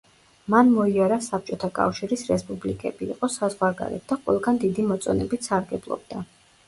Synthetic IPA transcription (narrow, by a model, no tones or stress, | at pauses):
manmɔiaɾasap̚ʰt͡ʃʼɔt̪ʰakʼa̰fʃiɾisɾɛspʼublikʼɛbḭːqʼɔsazʁwaɾɡa̰ɾɛ̰t̪̚ʰd̪aqʼwɛ̰lˠɡand̪id̪imɔt̪sʼɔnɛbit̪saɾɡɛblˠɔ̰b̚d̪a